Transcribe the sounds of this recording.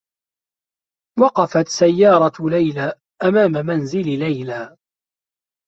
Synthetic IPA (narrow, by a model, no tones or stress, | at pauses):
wɑqɑfat̪sajːɑːɾˤɑlajlaː | ʔamaːmamanzɪllajlaː